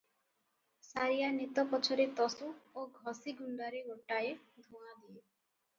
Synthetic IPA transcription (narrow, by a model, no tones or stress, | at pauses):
saɾijanet̪ɔpɔt͡ʃʰɔɾet̪ɔsuoɡʱɔsiɡuɳɖaɾeoʈae | d̪ʱuad̪ie